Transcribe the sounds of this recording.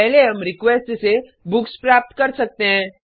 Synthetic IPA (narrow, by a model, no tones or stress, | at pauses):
əɦleɦəmɾikʋesʈse | bukspɾap̚t̪kəɾsək̚t̪eɦɛ̃